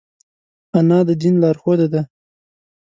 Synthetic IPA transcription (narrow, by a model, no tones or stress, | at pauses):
anɑd̪əd̪inlɑɾxod̪ad̪a